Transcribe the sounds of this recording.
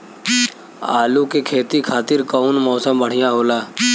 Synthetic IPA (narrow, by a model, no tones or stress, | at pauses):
aːlukekʰeːt̪ikʰaːt̪ɪɾkɔːnmɔːsəmbəɽ̤ɪjãɦoːlaː